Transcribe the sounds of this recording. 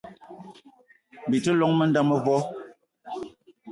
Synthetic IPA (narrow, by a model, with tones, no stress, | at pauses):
m˨bi˨tə˦lɔ˦ŋmə˦nda˦mə˦vɔ˦